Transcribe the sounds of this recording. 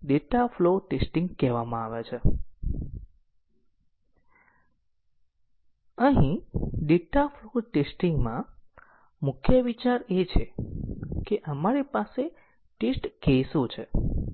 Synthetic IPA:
ɖeʈafloʈesʈĩŋɡkɛʋamãaʋet͡ʃʰe | əɦĩɖeʈafloʈesʈiŋɡmã | mʊkʰjəʋit͡ʃaɾet͡ʃʰe | keʔəmaɾipase | ʈesʈkesot͡ʃʰe

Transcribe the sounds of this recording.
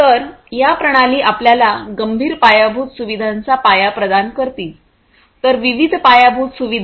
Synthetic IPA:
t̪əɾjapɾəɽ̃aliːʔapljalaɡəmbʱiːɾpajabʱuːt̪suʋid̪ʱant͡sapajapɾəd̪ankəɾt̪iːt | t̪əɾʋiʋid̪ʱpajabʱut̪suʋid̪ʱ

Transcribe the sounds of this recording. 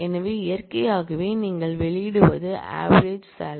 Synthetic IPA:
ɛnɐʋeːɪjɐrkɐjaːɣɯʋeːniːŋɡɐɭʋɛɭɪjɪɽɯʋɐ̰ðɯa̰ːʋɐɾed͡ʒsaːl

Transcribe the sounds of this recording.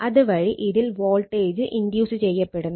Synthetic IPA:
ɐðuʋɐɻiʔiðilʋo̞ːlʈeːd͡ʑɨʔind̪juːsɨt͡ɕe̞jːɐpːe̞ɽunː

